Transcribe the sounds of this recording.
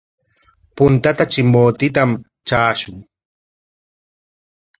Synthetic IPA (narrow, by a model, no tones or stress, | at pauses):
pʊnt̪at̪at͡ʃɪmboːt̪ɪt̪am | t͡ʃaːʃʊŋ